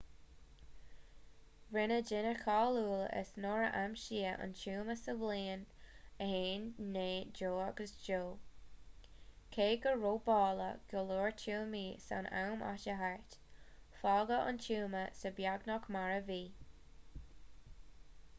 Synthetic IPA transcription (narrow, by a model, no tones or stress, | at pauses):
ɹɪnəd͡ʒɪnəkʰaːluːlə̰snɔɹəʔamʃiːəʔə̰ntʰuːməsəvliːnəheːnːeːd͡ʒoːaɡəsd͡ʒoː | kʰeːɡəɹoːbɑːlə̰ɡ̥əloːɹtʰuːmiːsa̰na̰wmʔa̰ʃəɦaɹtfɑːɡəʔə̰ntʰuːməsəbjaɡnɔkmaɹəviː